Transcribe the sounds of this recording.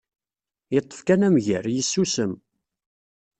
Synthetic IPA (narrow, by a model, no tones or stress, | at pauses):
jət̪ˤːə̥fkænæmʝəɾjəsːusəm